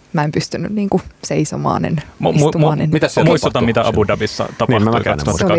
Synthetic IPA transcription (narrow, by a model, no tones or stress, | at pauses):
mæempyst̪ynynniːŋkuseiso̰mɑ̰ːnḛnmmumuːnenmit̪æssmuistt̪ɑt̪ɑmit̪æɑbudɑbisːɑ̰t̪ɑpnɑht̪ːkɑst̪uhɑt̪ː